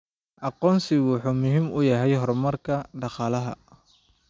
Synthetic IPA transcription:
ʔɑqɔːnsɪɣwʊħuːmʊɦiːmʊjɐɦɛjɦɔrmɐrkʰɐɖɑqɑːlɐɦɐ̰

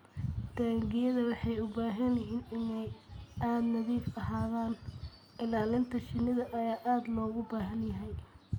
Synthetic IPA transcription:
d̪̥aːŋɡɪjɐðɐwɑħɑjʊbaːɦɐnjɪɦiːnɪnɛjaːd̪nɐðiːfɐɦaːðaːn | ʔɪlaːlɪnt̪ʰɐʃɪnɪðɐʔɐjaːʔaːd̪lɔːɣʊbaːɦɐnjɐɦɛj

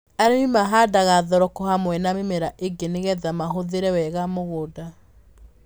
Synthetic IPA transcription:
aɾenimaɦadaɣaðɔɾɔkɔhamwɛnamemeɾaʔeɡeneɣɛðamaɦoðeɾɛwɛɣamoɣoda

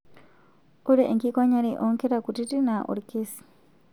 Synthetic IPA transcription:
uɾiʔeŋkikwaɲaɾiʔoŋkeɾakutitinaʔṵɾikesi̥

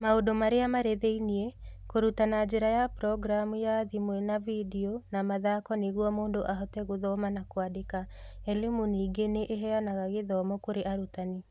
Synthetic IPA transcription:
maodomaɾeamaɾeðeiniɛ | koɾutanad͡ʑeɾajapɾɔɡɾamujaðimwɛnavidionamaðakɔneɣwɔmoːndoʔaɦɔtɛɣoðɔmanakwadeka | ɛlimuniːɡeneʔeɦɛanaɣaɣeðɔmɔkoɾeʔaɾutane

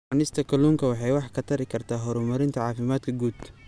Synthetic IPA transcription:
ɑnɪst̪ʰɐkʰɐluːŋkʰɐwɑħɑjwɑħkʰɐt̪ʰɐɾɪkʰɐrt̪ʰaːɦɔɾʊmɐɾɪnt̪ʰɐʕɑːfɪmaːd̪kʰɐɡuːd̪̥

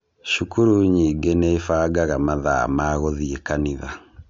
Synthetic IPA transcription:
ʃukuɾuɲiːŋɡeneifaɡaɣamaða̰maɣɔðiekaniða

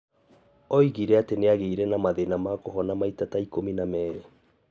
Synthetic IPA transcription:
ɔiɣiɾɛateneaɣeiɾɛnamaðenamakoɦɔnamaitataikominamɛːɾe

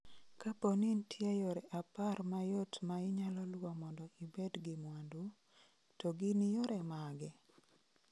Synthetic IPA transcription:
kapɔnintʰjejɔɾɛʔaparmajotmaɪɲalɔlwamɔndɔʔibɛdɡɪmwandu | tɔɡɪnijɔɾɛmaɡɛ

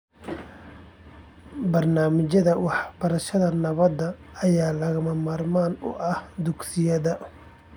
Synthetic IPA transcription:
bɐrnaːmɪt͡ʃɐðɐwɑħb̥ɐɾɐʃɐðɐnɐβɐd̪ɐɐjaːlɐɣɐmɐmaːrmaːnʊ̰ʔɐhd̪ʊɡsɪjɐðɐ

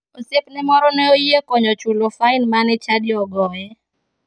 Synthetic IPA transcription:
osepnɛmɔɾɔnɛojekɔɲɔt͡ʃulofaɪnmanɛt͡ʃadɪɔɡɔɛ

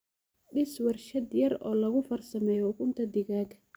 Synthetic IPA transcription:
ɗɪswɐrʃɐd̪jɐrɔːlɐɣʊfɐrsɐmɛːjɔʊɣʊnt̪ʰɐd̪ɪɣaːɡʰɐ

